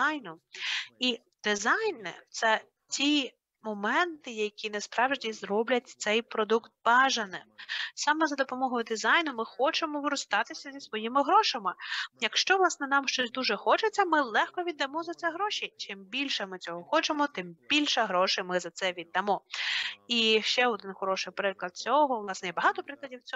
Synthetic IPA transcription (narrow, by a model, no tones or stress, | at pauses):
ajnʊi | d̪ɪzɑjnɪ̰t̪sɛ | tʲi | mɔmɛnt̪ɪjɐkʲinɛspɾɑwʒdʲizɾɔblʲɐtʲt̪sɛjpɾɔd̪ukt̪̚bɑʒɐnɪmsɑmɛzɐd̪ɔpɔmɔɦɔjʊd̪ɪzɑjnʊmɪxɔt͡ʃemɔʋɪɾʊst̪ɑt̪ɪsʲɐzʲisʋɔjimɪɦɾɔʃɐmɪjɐkʃt͡ʃɔʋlˠɑsnɛnɑmʃt͡ʃɔsʲd̪uʒɛxɔt͡ʃet͡sʲːɐmɪlˠɛxkɔʋʲid̪ːɐmɔzɐt̪sɛɦɾɔʃit͡ʃɪmbʲilʲʃɛmɪt͡sʲɔɦɔxɔt͡ʃemɔt̪ɪmbʲilʲʃɛɦɾɔʃɪmɪzɐt̪sɛʋʲid̪ːɐmɔ | iʃt͡ʃɛɔd̪ɪnxɔɾɔʃɪjpɾɪklˠɐd̪̚t͡sʲɔɦɔʋlˠɑsnɛjɛbɐɦɑt̪ɔpɾɪklˠɐdʲiwt͡sʲɔ